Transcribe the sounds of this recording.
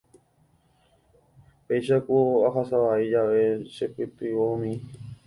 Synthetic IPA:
pejʃakoaɦasaʋaid͡ʒaʋeʃepɨt̪iʋoumĩ

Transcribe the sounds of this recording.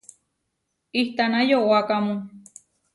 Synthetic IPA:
iht̪anajoʔoakamũ

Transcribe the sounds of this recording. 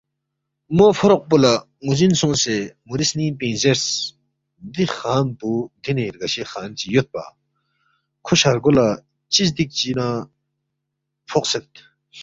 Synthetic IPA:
mofʰoɾoq̚pula | ŋuzinsõsemuɾisniːpẽːnzeɾs | d̪ixaːnpuɡ̪ineɾɡɐɕexaːnt͡ɕijot̪̚pa̰ | kʰoɕaɾɡola | t͡ɕis̬d̪ik̚t͡ɕina | fʰoqset̪̚

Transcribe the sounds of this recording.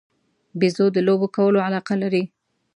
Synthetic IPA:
bizod̪əlobokawəloʕalɑqalaɾi

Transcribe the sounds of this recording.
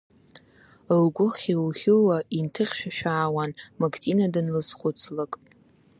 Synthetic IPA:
lɡʷʼʊχiwχʲɪwaintʰɨχʲʃᶣaʃᶣaːwanmakʰʼt͡sʼinadɨnlɨsχʷʊt͡sʰlakʼ

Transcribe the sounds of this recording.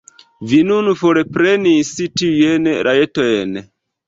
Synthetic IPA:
vinunfoɾepɾenisitiujenɾʔaetojen

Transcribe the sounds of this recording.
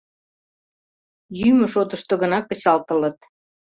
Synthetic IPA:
jymə̆ʃot̪əʃt̪oɣənɑkːə̆t͡ɕɑlt̪ələ̆t̪

